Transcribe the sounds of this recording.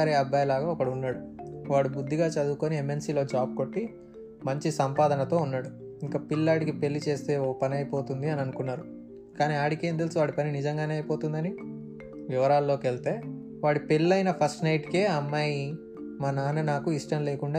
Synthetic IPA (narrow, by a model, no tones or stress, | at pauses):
ɾeɐbːaːjlaːɡaːɔkɐɽunːaːɽuʋaːɽibud̪ːiɡaːt͡ʃɐd̪uːkoːniemːe̞lsiːlo̞ːd͡ʒaːb̚koʈːi | mɐɲt͡ʃisɐmpaːd̪ʱɐnɐt̪o̞ːunːaːɽu | iŋkapilːaːɽikipe̞lːit͡ʃe̞ːst̪e̞ːoːpɐniɐjpo̞ːt̪und̪iɐniɐnukunːaːɾu | kaːniaːɽike̞ːnd̪elsiʋaːɽipɐninid͡ʒɐŋɡaːneɐjipo̞ːt̪und̪ɐni | ʋiʋɐɾaːllːo̞ːkelt̪e̞ː | ʋaːɽipelːɐjnɐpʰɐsʈnɐjʈke̞ːɐmːaːji | maːnaːnɐnaːkuiʂʈɐmleːkuɳɖaː